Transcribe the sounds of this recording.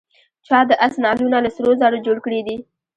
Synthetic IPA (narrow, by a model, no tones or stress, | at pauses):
t͡ʃɑd̪əʔasnɑlunalasɾozɑɽəd͡ʒoɽkəɽid̪i